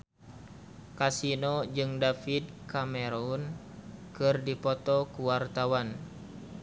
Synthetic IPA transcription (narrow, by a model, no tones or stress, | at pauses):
kasinɔd͡ʒɨŋdafid̚kamɛɾɔn | kɨrdipɔt̪ɔkuwart̪awan